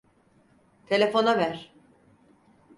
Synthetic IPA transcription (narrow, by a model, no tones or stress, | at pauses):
t̪ʰe̞lʲe̞fo̞navæɾ̥